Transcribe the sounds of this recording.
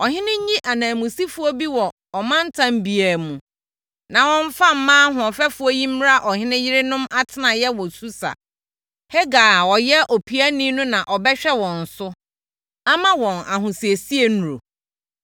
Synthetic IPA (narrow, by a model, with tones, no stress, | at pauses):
ɔ˨ɦɪ̃˦nɪ̃˦ɲ˦ɲĩ˦ʔa˨nãː˨mũ˨si˦fʊ˦ɔ˦bi˦wɔ˨ | ɔ˨mã˦n̩˦tʰã˦m˦bi˨æ˨mũ˨ | nã˨wɔ̃˦n̩˦fa˦m̩˦mãː˦ɦʊ̃˨ɔ˨fɛ˦fʊ˦ɔ˦jĩ˦m̩˦ɾa˦ʔɔ˨hɪ̃˦nɪ̃˦jɪ˦ɾɪ˦nʊ̃˦ma˦tʰɪ˦nã˨jɛ˦wɔ˨su˦sa̰˨ | he˦ɡaː˨wɔ˨jɛ˦ʔo˨pʰi˨˦æ˦nĩ˦nʊ̃˦nã˨ʔɔ˨bɛ˦ɕᶣɛ˦wɔ̃˨n̩˨sʊ˦ | a˦mã˦wɔ̃˨na˨ɦʊ̃˨si˨e˨si˦e˨nu˨ɾo̰˨